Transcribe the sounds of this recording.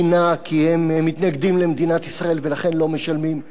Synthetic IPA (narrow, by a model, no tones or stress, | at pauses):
nakʰihemmːit̪naɡd̪imlemd̪inat̪isʁaʔe̞lvelaχe̞nlo̞me̞ʃalmim